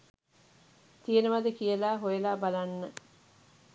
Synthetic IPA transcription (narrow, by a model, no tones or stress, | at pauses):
t̪ijənəʋad̪əkijəlaːɦojelaːbalanːə